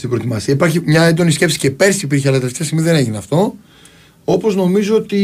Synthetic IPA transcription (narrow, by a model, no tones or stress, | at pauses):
st̪ibɾot̪imɐsiɐipɐɾçimɲɐend̪o̞nisce̞psi̥ce̞pe̞ɾsipiɾçeɐlɐt̪ɐft̪iɐst̪imiðeneʝineɐft̪o̞ | o̞po̞zno̞mizoot̪i